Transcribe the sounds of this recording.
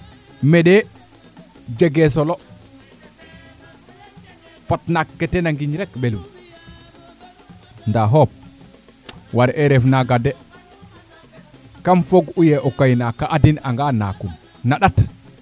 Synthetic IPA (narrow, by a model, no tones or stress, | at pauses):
mɛɗɛ | d͡ʒɛɡɛs̬ɔlɔ | fatnakːɛtɛnaŋɡiɲɾɛkbelum | ndaɦɔp̚ | waɾʔɛɾɛfnaɡadɛ | kamfoɡujɛʔɔkajnakaʔadinaŋɡana̰kun | naɗat